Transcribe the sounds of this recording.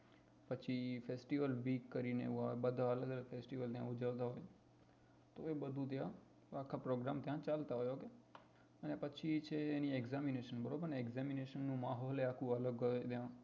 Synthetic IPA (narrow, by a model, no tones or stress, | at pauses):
pət͡ʃʰifesʈiʋəlʋiːkːəɾineḛʋũabəd̪ʱaələɡələɡfesʈiʋəlt̪jã̰ʊd͡ʒəʋt̪aɦoj | t̪oebəd̪ʱũt̪̬jã | akʰːapɾoɡɾamt̪jãt͡ʃalt̪aɦojɦoke | ənepət͡ʃʰit͡ʃʰeːniɛɡzamineʃənbəɾobənɛɡzamineʃənːũmaɦoleakʰũələɡɦojt̪jã